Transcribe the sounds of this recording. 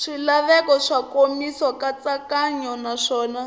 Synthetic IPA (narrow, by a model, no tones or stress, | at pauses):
ʂilaβɛkɔʂakomisɔkat͡sakaɲɔnaʂɔːna